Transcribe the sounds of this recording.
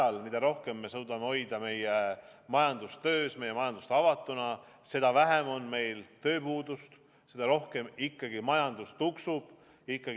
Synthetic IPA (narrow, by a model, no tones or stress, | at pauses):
ɑlmid̪̥ɑɾo̞hke̞mːe̞suːd̪̥ɑmeo̞jd̪̥ɑme̞je | mɑjɑnd̪̥ust̪ø̞ːsme̞jemɑjɑnd̪̥ust̪ɑvɑt̪ːˑunɑ | se̞d̪̥ɑvæɦemo̞nme̞jlt̪ø̞ːpuːd̪ust̪ | se̞d̪ɑɾo̞hke̞mikːɑɡ̥imɑjɑnd̪̥ust̪uksub̥ | jikˑːɑɡ